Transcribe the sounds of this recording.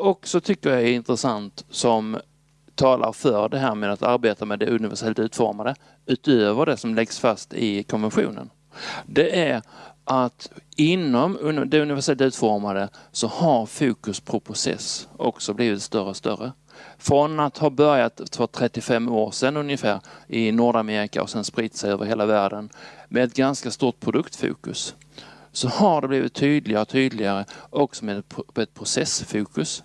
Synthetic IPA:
ɔksɔt̪ʰʏkːəɾjaɛɪnt̪ɾəsant̪sɔm | t̪ʰɑːlʔa̰ɾfœɖɛɦæːɾmɛd̪at̪ʰa̰ɾbeːt̪amɛd̪ɛɵnɪvæʂɛlt̪ʉ̟ːt̪fɔ̰ɾmad̪ə | ʉ̟ːt̪øːvəɖɛsɔmlɛɡsfast̪ɪkʰɔnvɛnɧṵːnə̰n | d̪ɛʔæɾʔat̪ɪnːɔmɵnd̪ɛɵnɪvæʂɛlt̪ʉ̟ːt̪fɔɾmad̪əsɔhaɾfuːkɵspʰɾɔpʰɾʊsɛ̰sʔɔ̰ksɔbliːvɪt̪st̪œɾəɔst̪œ̰ɾːə | fɾɔnat̪haɾbœɾjat̪fət̪ʰɾɛt̪ːɪfɛmːoːɾʂɛnːɵnjəfæːɾɪnuːɖameːɾɪka̰ɔ̰sɛnspɾit̪sɛjøːvəɾhɦeːlavæːɖənmʔɛɛt̪ɡanskast̪uːʈ̪̚pʰɾʊd̪ɵkt̪fṵːkɵ̰sː | ɔhaɖɛbliːvɪ̰t̪ʰːyːd̪lɪɡaɾt̪ʰyːd̪lɪɡaɾəʔɔksɔmɛd̪ɛɛt̪̚pʰɾʊsɛsfuːkɵs

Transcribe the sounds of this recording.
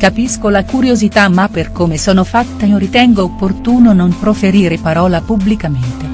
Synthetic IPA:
kapiskolakuɾjozit̪amːaperkomesɔːnofat̪ːaoɾit̪ɛŋɡoːpːort̪uːnonompɾofeɾiːɾepaɾɔːlapublikament̪e

